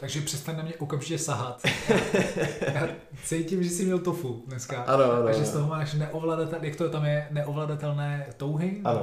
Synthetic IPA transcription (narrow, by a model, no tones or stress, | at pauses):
t̪aɡʒɛpr̝̥ɛst̪anʲnamɲɛʔokamʒɪcɛsaɦat̪a | jaː | t͡sɛjcɪmʒɛsɪmɲɛlt̪ofudnɛskaʔanoanaɡʒɛst̪oɦomaːʃnɛʔovladat̪ɛjakt̪ot̪amjɛnɛʔovladat̪ɛlnɛːt̪owɦɪano